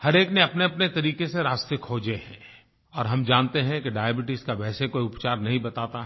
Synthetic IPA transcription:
hɐɾeːkneɐpneɐpnet̪ɐɾiːkeseɾaːst̪ekʰoːd͡ʒehɛ̰̃ː | ɔːɾɦɐmd͡ʒãːnt̪eɦɛ̃keɖaːjəbɪʈɪskaʋɛːsekoːiʊpt͡ʃaːɾnɐɦĩbɐt̪aːt̪aɦ

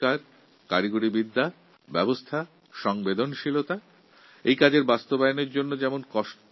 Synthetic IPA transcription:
aɾ | kaɾiɡuɾibid̪ːa | bɛbost̪ʰa | ʃɔŋbed̪onʃilot̪a | ejkad͡ʑeɾbast̪obajoneɾd͡ʑonːod͡ʑɛmonkɔʃʈ

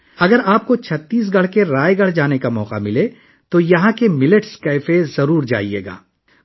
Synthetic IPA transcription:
ɐɡəɾaːp̚kot͡ʃʰɐt̪ːiːs̬ɡɐɽ̤keɾaːeɡɐɽ̤d͡ʒaːnekamɔːqa̰mɪle | t̪ojɐɦãkemɪləʈskaɪfezɐɾuːɾd͡ʒa̰ːḭḛːɡa̰ː

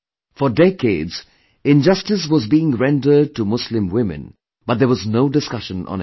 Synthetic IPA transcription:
fədɛkedz̥ | ɪ̃nd͡ʒʌstɨs̬wɔzbiːɪ̃ŋɹɛ̃ndəd̚ʈumʊslɪ̃mwɪ̃mɨ̰̃n | b̥ʌt̚d̪əwɔznoʊdɪskʌʃə̃nʔə̰̃n

